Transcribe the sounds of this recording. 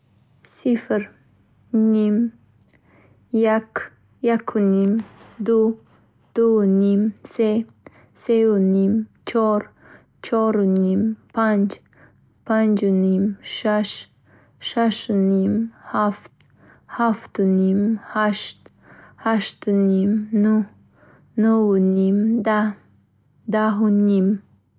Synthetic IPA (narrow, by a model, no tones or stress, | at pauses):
sifɾ | nim | jak | jakʰunimd̪u | d̪̥unimse | sewnimt͡ʃʰɔɾ | t͡ʃʰɔɾnimpand͡ʒ | pand͡ʒnimʃaʃ | ʃaʃnimhaft̪̚ | haft̪nimhaʃt̪ | haʃt̪nimnuh | nuwnimd̪a | d̪aɦunim